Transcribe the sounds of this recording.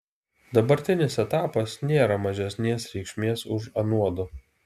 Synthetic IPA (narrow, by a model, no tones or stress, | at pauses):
d̪ɐbɐɾʲt̪ʲɪnʲɪsɛt̪ɑːpɐsnʲeːɾɐmɐʒʲɛsʲnʲeːsɾʲɛɪkʃʲmʲeːsʊʃɐnuɔd̪ʊ